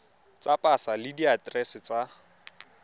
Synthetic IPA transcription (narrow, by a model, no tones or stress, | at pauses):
t͡sʼapʼasalɪdiatʼrɛsɪt͡sʼa